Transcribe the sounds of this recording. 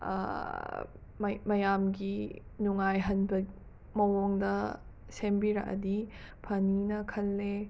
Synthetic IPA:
mɐmɐjamɡi | nuŋajɦɐnbɐ | mɐwoŋdɐ | sembiɾɐ̰kɐ̰dipʰɐninɐkʰɐlːe

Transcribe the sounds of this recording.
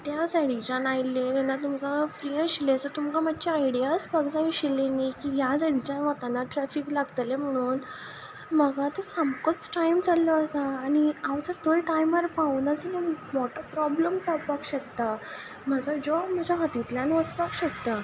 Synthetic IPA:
t̪jasaɽit͡ɕanajlːet̪ɛnːat̪umkafɾiəɕilesɔt̪umkamaːt͡ɕaaiɽijaspəɡd͡zaiɕilenikijas̬aɽ̤it͡ɕãnʋat̪anaʈɾɛfiklaɡt̪lem̤əɽ̃uːn | m̤əɡat̪əɾsamkət͡sʈajmd͡zalɔəsaːñiaʋd͡zəɾt̪ojʈajmaɾfaund̪əsenamɔʈʰəpɾɔbləmsapakɕək̚t̪a | m̤əd͡zad͡ʑɔm̤əd͡ʑaɦət̪it̪lanʋəspakɕək̚t̪a

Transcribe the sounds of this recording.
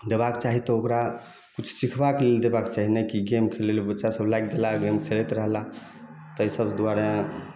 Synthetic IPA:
d̪ebakt͡ʃaɦit̪ɔokɾa | kut͡ʃʰsikʰbakleld̪ebakt͡ʃaɦinekiɡemkʰelelbətːʃasəblajɡ̚ɡelaɡemkʰelet̪ɾəɦla | t̪əjsəbd̪uaɾã

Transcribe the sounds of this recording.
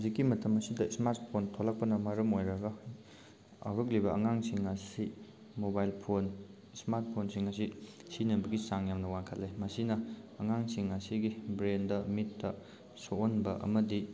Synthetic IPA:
zikːimɐtʰɐmɐsidɐsmaɾtpʰontʰolɐk̚pɐnɐmɐɾɐmojɾɐɡɐ | a̰wɾɐk̬̚libɐɐ̰ŋaŋsiŋɐsi | mobajlpʰon | smaɾt̚pʰonsiŋɐs̬isinɐbɐɡisaŋjamnɐwaŋkʰɐtlemɐsinɐːŋaŋsiŋɐsiɡibɾendɐmitːɐ | soonbɐʔɐ̰mɐdi

